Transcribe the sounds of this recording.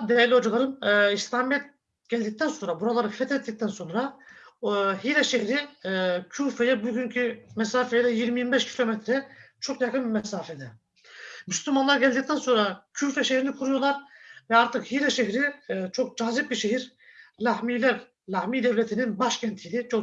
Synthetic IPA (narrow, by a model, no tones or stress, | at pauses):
d̪ejaɾlʲiod͡ʒalˠaɾɯmːist̪aːmijɛt̪̚ | ɟ̥ælʲd̪ic̚t̪ʰænso̞nɾabuɾalˠaɾɯfɛt̪ʰɛt̪ʰːic̚t̪ʰænso̞nɾa | ɦiːɾɛʃeçɾicʰuːfejɛbuɟyncʰymɛsaːfejɛd̪ɛjiɾmimibɛʃcʰilʲo̞mɛt̪ʰɾɛt͡ʃʰo̞kjakʰɯnbimɛsaːfɛd̪ɛ | myslʲymanlˠaɾɟɛlʲd̪ic̚t̪ænso̞nɾacʰuːfɛʃehɾinikʰuɾujo̞lˠaɾvɛaɾt̪ʰɯkhiɾɛʃeçɾit͡ʃʰo̞k̚d͡ʒaːzip̚biʃeɦiɾ | lahmiːlʲæv | lʲahmiːd̪ɛvlʲet̪ʰininbaʃcʰænt̪ʰijd̪ʲit͡ʃʰo